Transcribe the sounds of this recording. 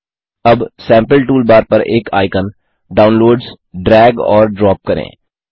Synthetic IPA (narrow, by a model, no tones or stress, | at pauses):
ɐbsɛ̃ːmpəlʈuːlbaːɾpɐɾeːkʰa̰ːɪkən | ɖaːʊ̃nloːɖz | ɖɾɛːɡɔ̰ːɾɖɾɔːp̚kɐɾḛ̃ː